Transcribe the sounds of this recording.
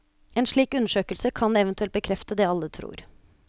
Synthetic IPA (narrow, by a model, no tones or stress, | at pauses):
ɛːnʂɭiːkʉnːəʂøːkəlsəkʰɑnɛʋənt̪ʉɛlt̪̚bəkʰɾɛft̪əd̪ɛːɑlːət̪ʰɾṵːɾ